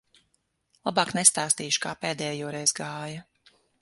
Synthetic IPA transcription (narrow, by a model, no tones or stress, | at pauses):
lˠabaːknɛst̪aːst̪iːʃu̥kaːpeːd̪ɛːjuːɾɛjzɡaːjɐ